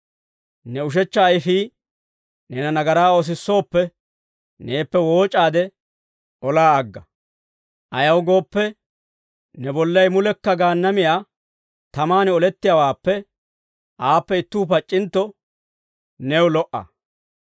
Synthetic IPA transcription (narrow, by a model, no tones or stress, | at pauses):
nɛʊʃ̬ɛt͡ʃːɐːjɪfiː | nɛnɐnɐɡɐɾaːos̬ɪsːo̞ːpːɛ | ne̞ːpːɛwo̞ːt͡ʃʼaːd̪ɛ | ɔlaːɐɡːɐ | ʔɐjɐwɡo̞ːpːɛ | nɛbɔlːɐjmʊlɛkːɐɡaːnːɐmɪjaː | t̪ɐmaːnɛɔlɛt̪ːɪjawaːpːɛ | ʔaːpːɛɪt̪ːuːpɐt͡ʃʼːɪnt̪ːɔ | nɛwlɔʔɐ̰